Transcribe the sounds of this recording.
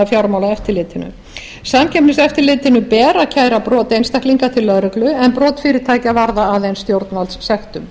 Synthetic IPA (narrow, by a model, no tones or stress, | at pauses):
afjawɾmaːwlaɛft̪ɪɾlɪːt̪ɪnʏ̰ | saːmcʰɛpnɪsɛft̪ɪɾlɪːt̪ɪnʏpɛːɾacʰaːjɾapɾɔːt̪ejnst̪akliŋkat̪ʰɪlːœðɾɛklʏɛnpɾɔːt̪fɪːɾɪ̥t̪ʰaːjcavaɾðaaːðejnst̪jowɾt̪nalsːɛxt̪ʏm